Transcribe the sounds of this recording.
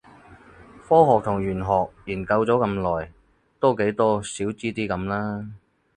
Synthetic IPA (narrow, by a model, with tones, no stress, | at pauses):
fɔː˥ɦɔː˨k̚t̪ʰʊ˨˩ŋjyː˨˩nɦɔː˨k̚jiː˨˩nkɐ˧wt͡sɔː˨˥kɐ˧mlɔː˨j | t̪o˥wke˨˥jt̪ɔː˥siː˨˥wt͡siː˥t̪iː˥kɐ˨˥mlaː˥